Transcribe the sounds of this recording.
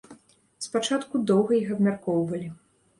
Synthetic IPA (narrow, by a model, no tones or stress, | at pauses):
spat͡ʂat̪kud̪ɔwɣɐjiɣɐbmʲarkɔwvɐlʲi